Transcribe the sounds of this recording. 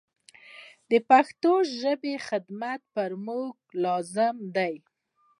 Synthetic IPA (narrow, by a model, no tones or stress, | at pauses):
d̪əpaxt̪oʒəbexɪd̪mat̪̚pəɾmuɡ̚lɑzɪmd̪aj